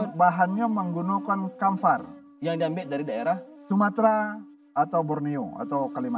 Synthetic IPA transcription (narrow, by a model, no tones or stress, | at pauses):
baɦanɲaməŋɡunukankamfar | jaŋdiambɪʔdaɾidaeɾah | sumat̪ɾa | at̪awbɔrnioa̰t̪awkalima